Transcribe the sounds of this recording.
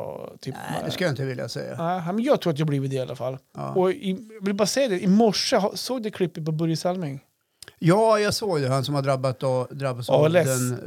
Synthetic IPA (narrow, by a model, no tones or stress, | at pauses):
t̪ʰyːp̪ɛskɯljɪnt̪əvɪlja̰sɛ̰jːa̰nɛɪnɛmɛnjɑːɡt̪ʰɾuːɾat̪jɛhblivɪd̪ɛa̰la̰fa̰l̰ːɔɪjɑvɪlbɑːɾasɛjːad̪ɛʔɪmɔʂːəɦasoːɡ̚d̪ɛkʰlɪpːɪt̪̚pʰɔbɵɾjəsalmɪŋ | jɑːjɑɡsoːɡd̪ɛhansɔmhad̪ɾabːat̪ɔd̪ɾabːasɑɛlɛən